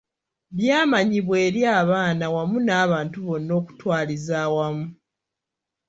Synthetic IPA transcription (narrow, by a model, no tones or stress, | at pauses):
βjaːmaɲiβwe̞ːɾjaːβaːnawamunaːβaːntuβo̞nːo̞ːku̥twaːlizaːwamu